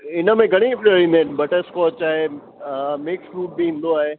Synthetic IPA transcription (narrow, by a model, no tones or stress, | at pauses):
ɪnəmẽɡʱɐɽ̃ĩpəĩnd̪enbɐʈəɾskɔːt͡ʃaːɦe | meːksɾuːʈ̚bʱiɪ̃nd̪oaːɦe